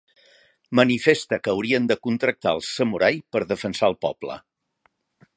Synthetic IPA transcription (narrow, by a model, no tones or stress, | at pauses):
mənifest̪əkəːwɾiənd̪əkunt̪ɾək̚t̪aə̰lˠsəmuɾajpəɾðəfənsaəlˠpɔ̰blə̰